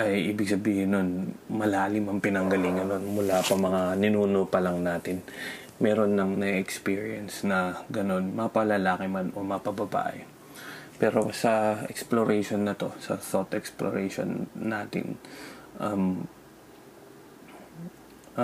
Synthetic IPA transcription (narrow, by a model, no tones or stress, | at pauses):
ʔɐjʔiːbɪɡ̚sɐbiːhɪnːonmɐlaːlɪmɐŋpɪnɐŋɡɐlɪŋɐno̞nmʊlapɐmɐŋanɪnuːnopɐlɐŋnaːt̪ɪn | mɛːɾo̞nːɐŋnɐɛkspiːɹiɛnsnɐɡɐno̞nmɐpɐlɐlaːkɪmɐnʔomɐpɐbɐba̰ːʔɛ | pɛːɾo̞sɐʔɛ̰ksploɾʔɛjʃonːɐt̪o̞sɐ̰sot̪ʔɛksploɾɛjʃo̰nːaːt̪ɪ̰n | ʔɐm